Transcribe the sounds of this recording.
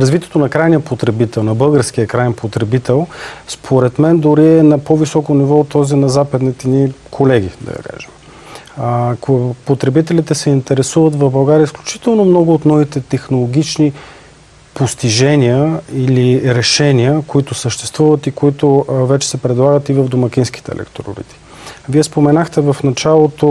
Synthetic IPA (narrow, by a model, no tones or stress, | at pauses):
ɾɐzvit̪ʲiɛt̪onɐkɾajnijəpot̪ɾɛbit̪ɛlˠnɐbɤlˠɡəɾsk̟ijəkɾajɛnpʰot̪ɾɛbit̪ɛlˠspʰoɾɛt̪mɛnd̪oɾiɛnɐpɔvisɔkonivɔt̪ːɔzinɐzapɐd̪nit̪ɛnikʰolɛɡ̟ʲḭd̪ɐ̰ḭka̰ʒɛm | pot̪ɾɛbit̪ɛlit̪ɛsɛint̪ɛɾɛsuvət̪vɐvbɐlˠɡaɾiəisklʲut͡ʃi̥t̪ɛlˠnomnɔɡʊːt̪nɔvit̪ɛt̪ɛxnolˠoɡ̟ʲit͡ʃni | post̪iʒɛniəiliɾɛʃɛniəkoit̪ʊsəʃt̪ɛ̥st̪vuvət̪ikoit̪ovɛt͡ʃɛ̥sɛpɾɛd̪lˠaɡət̪ivəvd̪omɐkʲinsk̟i̥t̪ɛ̰ːlɛ̰kt̪oɾo̰ɾḭt̪i̥ | viɛspomɛnaxt̪ɛvəfnɐt͡ʃalˠot̪o